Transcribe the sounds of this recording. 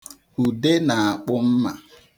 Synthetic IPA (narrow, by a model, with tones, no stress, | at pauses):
u˨de˦na˨a˨k͡pʊ˦m̩˦ma̰˨